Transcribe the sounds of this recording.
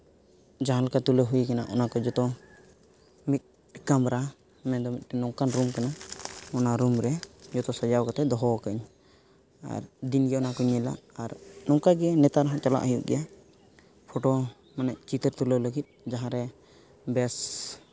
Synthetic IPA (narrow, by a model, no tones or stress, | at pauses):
d͡ʒaɦãlɔkat̪uləɦuikana̰ʔɔ̰nakɔd͡ʒɔt̪ɔ | mit̪̚ˀ | kamɾa | mɛ̃d̪ɔmit̪̚ˀtɛnɔŋkanɾumkanaɔnaɾumɾɛd͡ʒɔt̪ɔsad͡ʒawkat̪ɛd̪ɔɦɔwkəɲ | a̰ɾd̪inɡɛɔnakɔɲɛla̰ʔaɾnɔŋkaɡɛnɛt̪aɾɦɔ̃t͡ʃɔla̰ʔɦəjuʔɡɛja | pʰɔʈɔ | manɛʔ̚t͡ʃit̪əɾt̪ulələɡit̪̚ˀd͡ʒaɦãɾɛ | bɛs